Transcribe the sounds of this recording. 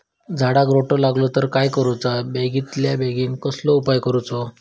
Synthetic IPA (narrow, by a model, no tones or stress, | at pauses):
d͡zʱaɽaɡɾoʈɔlaɡlɔt̪əɾkajkəɾut͡sabeɡit̪ljabeɡiːnkəslɔupajkəɾut͡sɔ